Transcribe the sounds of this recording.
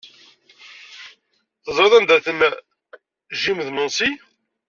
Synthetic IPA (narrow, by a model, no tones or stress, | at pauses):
θəzˤɾɑðˤænd̪æθəm | ʒimðmənsi